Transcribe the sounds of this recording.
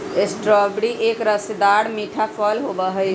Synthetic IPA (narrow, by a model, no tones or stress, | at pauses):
esʈɾɔbɽiʔekɾəsd̪aɽmiʈʰapʰɔlɦobəɦə